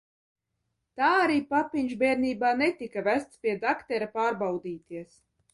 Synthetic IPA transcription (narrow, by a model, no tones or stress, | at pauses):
t̪aːaɾiːpapʲiɲʒbʲɛːɾniːbaːnet̪ikavæst̪spʲiɛd̪akt̪ɛɾapaːɾbawd̪iːt̪iɛs